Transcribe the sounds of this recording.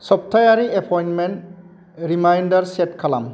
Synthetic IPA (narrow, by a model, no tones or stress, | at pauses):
sɔp̚tʰajaɾiʔepʰɔjnmɛnt | ɹimajndaɹsɛtkʰala̰m